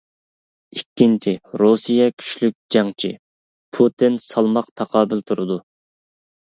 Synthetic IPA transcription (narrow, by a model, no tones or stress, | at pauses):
ikʲːint͡ʃʰiɾusijɛkʲʰy̥ʃlyk̚ʲd͡ʒɑŋt͡ʃʰi | pʰut̪ʰɪnsɑlˠmɑqt̪ʰɑqɑːbɪlt̪ʰuɾɨd̪u